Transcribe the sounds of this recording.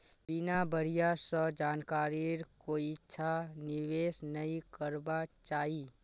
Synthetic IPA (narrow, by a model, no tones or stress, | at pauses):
bɪnabʱəɾ̤ijasɔd͡ʒaːnkaːɾiɾkoːiɪtːʃʰanɪʋeːsnəikəɾbat͡ʃaːiː